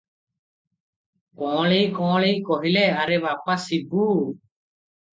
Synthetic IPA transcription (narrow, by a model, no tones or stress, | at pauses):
kɔ̃ːɭejkɔ̃ːɭejkɔɦilɛaɾɛbapasibu